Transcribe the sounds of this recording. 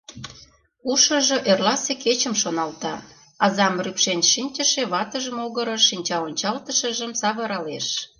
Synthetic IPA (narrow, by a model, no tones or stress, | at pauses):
uʃə̆ʒɤ̆ʔerlɑseket͡ɕə̆mʃonɑlt̪ɑ | ɑzɑmrypʃenʲʃinʲt͡ɕəʃeβɑt̪əʒəmoɣəɾɤ̆ʃinʲt͡ɕɑonʲt͡ɕɑlt̪əʃə̆ʒəmsɑβɤɾɑleʃ